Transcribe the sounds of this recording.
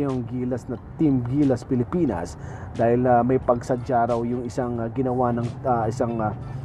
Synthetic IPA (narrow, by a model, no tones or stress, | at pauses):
oŋɡiːlɐsnɐt̪ɪmɡiːlɐspɪlɪpiːnɐ̰sd̪aːhɪlamɐjpɐɡsɐd͡ʒaːɾɐwjʊŋɪsaŋɡɪnɐwanɐŋɪsaŋ